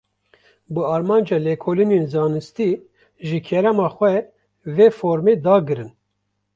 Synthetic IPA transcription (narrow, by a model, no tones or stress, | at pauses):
bɨɑːɾmɑːnd͡ʒɑːlɛkʰoːlineːnzɑːnɨst̪i | ʒɨkʰɛɾɛmɑːxʷɛ | veːfoːɾmeːd̪ɑːɡɨɾɨn